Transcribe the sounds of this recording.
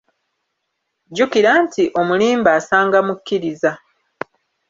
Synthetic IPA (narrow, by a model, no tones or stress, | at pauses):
ɟukiɾaːntʰiʔo̞muliːmbaːsaːŋɡamukʲːiɾiza